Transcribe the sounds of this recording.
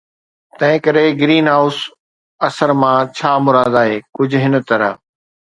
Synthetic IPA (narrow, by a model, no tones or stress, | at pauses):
t̪ɐ̃ɦɪ̃kɐɾeɡɾiːnɦaːʊs | ɐsəɾmãt͡ɕʰaːmʊɾaːd̪aːɦeːkʊd͡ʑʱɦɪnə̆t̪ɐɾə̰